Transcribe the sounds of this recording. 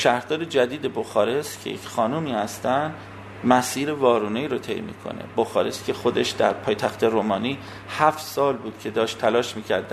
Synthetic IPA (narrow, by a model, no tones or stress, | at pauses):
ʃæhɾd̪ɒːɾed͡ʒæd̪iːd̪e̞boxɒːɾe̞scʰejḛcχɒːnuːmiːhæst̪ænd̪ | mæsiːɾevɒːɾuːnejɾot̪ʰe̞̰jmḭːkʰo̞̰nḛboxɒ̰ːɾe̞scʰʲe̞xo̞d̪e̞ʃd̪æ̰ɾpʰɒːjt̪ʰæxt̪ʰe̞ɾoːmɒːniː | hæft̪sɒːlbuːd̪̥cʰe̞d̪ɒːʃt̪ʰːælɒːʃmiːcʰæ̰ɾd̪æ